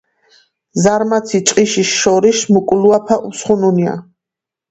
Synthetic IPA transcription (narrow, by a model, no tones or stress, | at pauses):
zaɾmat̪sʰit͡ʃʼqʼiʃiʃʃɔɾiʃmukʼluapʰaʔusχununia̰